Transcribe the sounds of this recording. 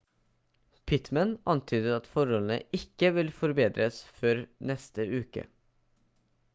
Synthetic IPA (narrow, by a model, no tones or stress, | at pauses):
pʰɪt̪mənɑnt̪ʰyːd̪əɑt̪fɔɾɔln̩ə̰ʔɪkːəʋɪlfɔɾbeːd̪ɾʔəsføːɾnɛst̪əʔʉːkə̰